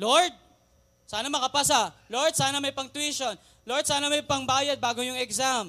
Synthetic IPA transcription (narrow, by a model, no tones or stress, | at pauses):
loɹd̪̚ | saːnɐmɐkɐpas̬ɐloɹd̪̚saːnɐmɐjpɐŋt̪wiʃon | loɹd̪saːnɐmɐjpɐŋbaːjɐd̪̚baːɡojʊŋɛɡsam